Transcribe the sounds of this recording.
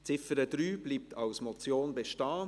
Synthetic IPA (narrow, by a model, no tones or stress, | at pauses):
t͡sɪfəɾəd̪ɾyːb̥liːp̚tʰɑʊsmɔt͡sjoːnbɛʃtɑː